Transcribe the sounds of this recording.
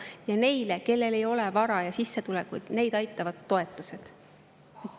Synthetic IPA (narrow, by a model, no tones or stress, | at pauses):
jɑne̞jle̞ke̞lːe̞le̞jo̞levɑɾɑjɑsisːe̞t̪ulɛkujd̪̥ne̞jd̪̥ɑjt̪ːˑɑvɑd̪ːo̞e̞t̪ːˑuse̞d̪̥